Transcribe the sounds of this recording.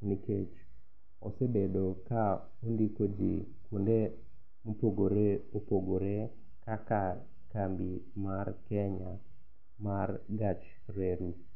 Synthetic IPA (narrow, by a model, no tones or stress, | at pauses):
niket͡ʃ | ɔ̰sebedoka | ondikod͡ʒḭ | kunde | mopoɡoɾeopoɡoɾe | kaka | kambi | markɛɲa | marɡat͡ʃ | ɾeɾu